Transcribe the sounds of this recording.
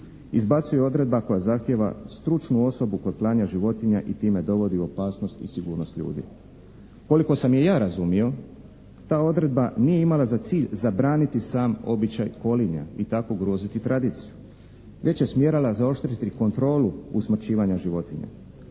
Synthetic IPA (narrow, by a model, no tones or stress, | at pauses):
izbat̪suje̞o̞d̪ɾe̞d̪̚bako̞jazaxt̪je̞ʋa̰st̪ɾut͡ʃnuo̞so̞buko̞d̪plˠaːɲaʒiʋo̞t̪iɲaʔit̪iːme̞d̪o̞ʋo̞d̪iuo̞paːsno̞st̪isiɡuːɾno̞st̪ʎṵːd̪ḭ | ko̞liko̞samje̞jaːɾazumio̞ | t̪aːo̞d̪ɾe̞d̪̚banije̞imalˠazat̪siːʎzabɾaːnit̪isaːmo̞̰bit͡ɕajko̞liɲa̰it̪akoɡɾoːzit̪it̪ɾad̪iːt̪siju | ʋe̞t͡ɕje̞smjeːɾalazao̞ʃt̪ɾit̪iko̞nt̪ɾo̞ːluusmr̩t͡ɕiːʋaɲaʒiʋo̞t̪iɲa̰